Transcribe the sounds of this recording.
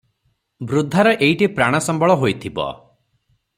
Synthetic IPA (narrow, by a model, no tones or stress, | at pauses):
bɾud̪ʱːaɾɔʔeiʈipɾaɽ̃ɔsɔmbɔɭɔɦojt̪ʰibɔ̰